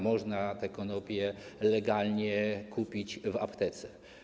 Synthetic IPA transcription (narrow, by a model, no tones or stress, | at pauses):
mɔʐnat̪ɛkɔnɔpʲjɛlɛɡalɲɛkʰupʲit͡ɕvapt̪ɛt̪sɛ̥